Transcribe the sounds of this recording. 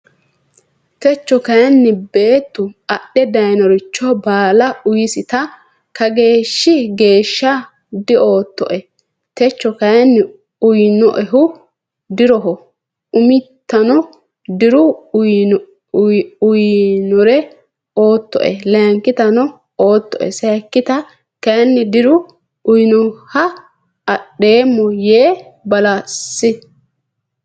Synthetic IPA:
t̪ɛt͡ʃːɔkɐjɐnːɪbe̞ːt̪ːʊɐɗɛd̪ɐjnɔɾɪt͡ʃːɔbaːlɐʊjɪsɪt̪ɐ | kɐɡe̞ːʃːɪɡe̞ːʃːɐ | d̪ɪo̞ːt̪ːɔ̰ʔɛ | t̪ɛt͡ʃːɔkɐjɐnː | ʊjnɔ̰ʔɛɦʊ | d̪ɪɾɔɦɔ | ʊmɪt̪ːɐnɔ | d̪ɪɾʊ | ʊjnɔɾɛ | oːt̪ːɔ̰ʔɛlɐɐŋkɪt̪ɐnɔ | oːt̪ːɔ̰ʔɛ̰sɐkːɪt̪ɐ | kɐjɐnːɪd̪ɪɾʊ | ʊjnɔhɐ | ɐɗːeːmːɔjeːbɐlasːɪ

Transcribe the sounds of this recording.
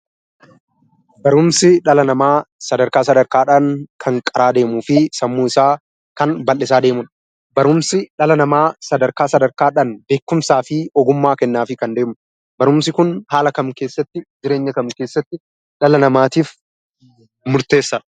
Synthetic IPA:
bɐɾʊmsɪᶑɐlɐnɐmaːsɐd̪ɐɾkaːsɐd̪ɐɾkaːᶑaːnkʰɐŋkʼɐɾaːd̪e̞ːmuːfɪsɐmːuːɪsaː | kɐnbɐlːɪsaːd̪e̞ːmʊn | bɐɾʊmsɪᶑɐlɐnɐmaːsɐd̪ɐɾkaːsɐd̪ɐɾkaːᶑaːnbe̞ːkːʊmsaːfɪɔɡʊmːaːkɛnːaːfɪkɐnd̪e̞ːmʊ | bɐɾʊmsɪkʊnhaːlɐkɐmke̞ːsːɐt̪ːɪd͡ʒɪɾe̞ːɲːɐkɐmke̞ːsːɐt̪ːɪ | ᶑɐlɐnɐmaːt̪iːf | mʊɾt̪e̞ːsːɐᶑ

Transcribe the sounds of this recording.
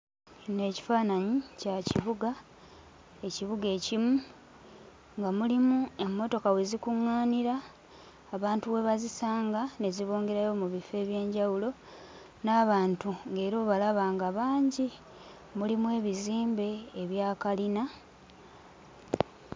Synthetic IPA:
ne̞ːci̥faːnaɲicaciβuɡa | e̞ciβuɡe̞ːcimu | ŋɡamulimue̞mːo̞to̞kawezikuŋːaːniɾaː | βaːntuwe̞βazisaːŋɡane̞ziβo̞ːŋɡe̞ɾajo̞muβife̞ːβje̞ːɲɟawulo̞ | naːβaːntuŋɡe̞ːɾo̞ːβalaβaːŋɡaβaːɲɟi | mulimuwe̞ːβiziːmbe̞ːβjaːkalina

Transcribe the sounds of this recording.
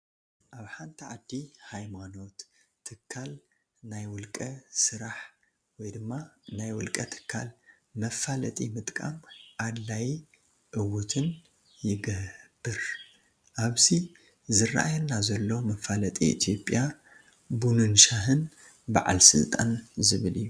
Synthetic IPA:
ʔaβħant̪ʰiʕad̪ːihajmano̞t̪ʰː | ɨkʰːal | najwʊlkʼɐsɨɾaħ | wɔjd̪ɨmːanajwʊlkʼɐt̪ʰɨ̥kʰːa̰l | mɐfalɐt̪ʼimɨt̪ʼkʼa̰mʕad̪laji | ʔɨwut̪ʰɨn | jɪɡɐhb̥ːɨɾ | ʔaβzi | zɨra̰ʔajɛnːazɐlːɐwmɐfalɐt̪ʼḭḭt̪ʰjo̞pʼja | bunɨnʃaɦɨn | ba̰ʕa̰lsɨ̰lt̪ʼa̰nzɨβɨlijːu

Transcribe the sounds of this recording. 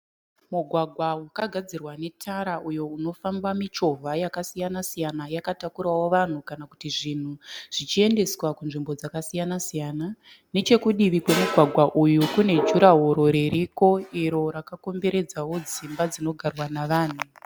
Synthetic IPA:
muɡʱwaɡʱwawakaɡʱad͡zirwane̞tʰaɾaʔujo̞uno̞fambamit͡ʃo̞vʱajakasijanasijanajakatakuɾawo̞ʋan̤ukanakutiʐin̤uʐ̥it͡ʃie̞nde̞swakunʐimbo̞d͡zakasijanasijaːna | ne̞t͡ʃe̞kuɗiʋikwe̞muɡʱwaɡʱwaʔujukune̞d͡ʒuɾaɦoɾo̞ɾeɾiko̞iɾo̞ɾakako̞mbe̞ɾe̞d͡zawo̞d͡zimbad͡zino̞ɡʱarwanaʋaːn̤u

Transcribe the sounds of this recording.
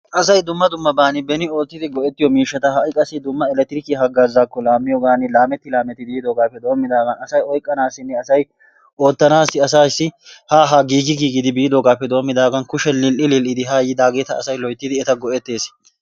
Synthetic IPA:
ʔɐsɐjd̪ʊmːɐd̪ʊmːɐbaːnɪbɛnɪo̞ːt̪ːɪd̪ɪɡɔʔɛt̪ːɪjɔmiːʃːɐt̪ɐɦɐʔɪkʼɐsɪd̪ʊmːɐɛlɛt̪ːɪɾɪkɪɦɐɡazːaːkːɔlaːmːɪjɔɡaːnɪlaːmɛt̪ːɪlaːmɛt̪ːɪbiːd̪oːɡaːpːɛd̪o̞ːmːɪd̪aːɡɐnɐsɐjɔjkʼːɐnaːsːɪnːɛɐsɐj | ʔo̞ːt̪ːɐnaːsːɪɐsaːsːɪhaːɦaɡiːɡɪɡiːɡɪd̪ɪbiːd̪oːɡaːpːɛd̪o̞ːmːɪd̪aːɡɐnkʊʃɛlɪlʔɪlɪlʔɪd̪ɪɦaːjɪd̪aːɡeːt̪ɐɐsɐjlɔjt̪ːɪd̪ɪɛt̪ɐɡɔʔɛt̪ːe̞ːs

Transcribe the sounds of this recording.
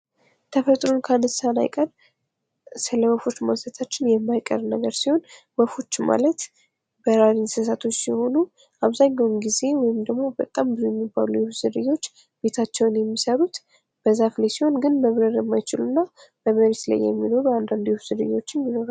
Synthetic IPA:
t̪ʰəfət̪ʼɾo̞nkʰanɨsana̰jkʼən | sɨləwəfo̞t͡ʃːmalsət̪ʰat͡ʃːɪnjɛmːajkʼːə̰rnəɡəɾsiho̞n | wəfo̞t͡ʃːma̰lət̪ | bəɾaɾinsɨs̬at̪ʰo̞t͡ʃːsiho̞nu | ʔaβzaɲːawumɡize̞wɔjɪmd̪əɡmo̞bət̪ʼambɨzojɛmːibːa̰lujɛfz̥ɨɾɨjːo̞t͡ʃː | b̥e̞t̪ʰat͡ʃːɛwnjɛmːisəɾut̪ | b̥əzːaflajsiho̞nɡɨnməβɾəɾjɛmːajɪt͡ʃɪlunːabəməɾet̪la̰jːɛ̰mːino̞ɾuand̪and̪ujɛfzɨdɨ̰jːo̞t͡ʃːɪnjɪno̞ɾal

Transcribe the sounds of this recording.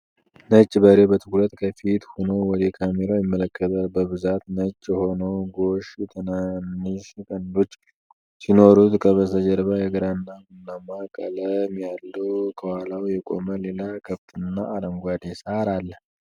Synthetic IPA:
nət͡ʃʼːbəɾebət̪ʰɨklət̪kʰəfit̪honowɔd̪ekʰameɾajɪmːələkːət̪əlbəβɨzat̪nət͡ʃʼːjɛho̞nəwɡo̞ʃt̪ʰɨnanːɨʃkʼənd̪ot͡ʃːʼ | sino̞ɾut̪kʰəβəsəd͡ʒəɾβajɛɡəɾanːamɨnːamakʼələmjalːəwkʰəwalawjɛkʼo̞̰məlelakʰəβt̪ʼɨnːaːɾəŋɡʷad̪ɛsaɾalːə

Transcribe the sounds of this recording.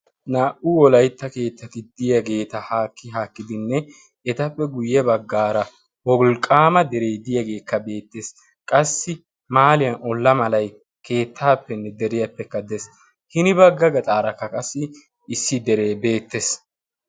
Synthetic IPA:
naːʔʊwɔlɐjt̪ːɐke̞ːt̪ːɐt̪ɪd̪ɪjɐɡe̞ːt̪ɐhaːkːɪɦaːkːɪd̪ɪnːɛ | ɛt̪ɐpːɛɡʊjːɛbɐɡːaːɾɐ | wɔlkʼaːmɐd̪ɛɾejd̪ɪjɐɡe̞ːkːɐbe̞ːt̪ːe̞ːs | kʼɐsːɪ | maːlɪjɐnɔlːɐmɐlɐj | kʰe̞ːt̪ʰːaːpːɛnːɛd̪ɛɾɪjɐpːɛkːɐd̪ɛs | hɪnɪbɐɡːɐɡɐt̪ʼaːɾɐkːɐkʼɐsːɪ | ɪsːɪd̪ɛɾeːbe̞ːt̪ːes

